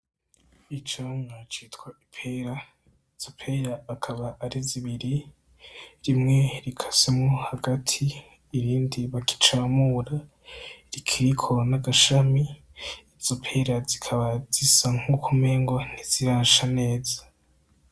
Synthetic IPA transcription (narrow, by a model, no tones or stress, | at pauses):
it͡ʃoŋat͡ʃitwaipʰeɾa | z̥opʰeɾaːkʰaβaʔːɾiziβiɾi | ɾimŋe̞ɾikʰḁsemohaɡatʰiː | ɾiːndiβaki̥t͡ʃaːmuɾa | ɾikʰiɾikʰo̞naɡaʃamiː | zopʰe̞ɾazikʰaβazisaŋ̥hukʰume̞ŋɡo̞n̥iz̥iɾaːnʃane̞ːzḁ